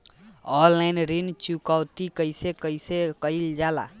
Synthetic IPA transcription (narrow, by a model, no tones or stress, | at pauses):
ɔlajnɾint͡ʃukawt̪ikʌjsekʌjsekʌjld͡ʒala̰